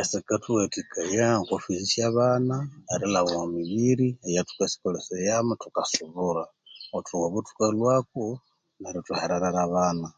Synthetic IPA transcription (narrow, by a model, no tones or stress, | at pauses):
esikatuwetikajaŋkofisisjaβanaːɾilaβomiβiɾiejatu̥kasi̥kolesejamatukasuβuɾa | otʰuɣaβutu̥kalwako | naɾotuheɾaɾaɾaβana